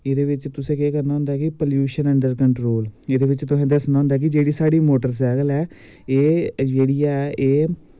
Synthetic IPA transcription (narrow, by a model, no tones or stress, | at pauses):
eːd̪eːʋɪt͡ʃt̪ʊsẽːkeːkəɾnaːɦʊ̃nd̪aːkɪpəljuːʃənəɳɖəɾkəɳʈɾoːleːd̪eːʋɪt͡ʃt̪ʊsẽːd̪əsnaːɦʊ̃nd̪aːk̬ɪd͡ʒeːɽiːsaːɽiːmoːʈəɾs̬ɛːɡəlɛː | eːd͡ʒeːɽijaɛʔeː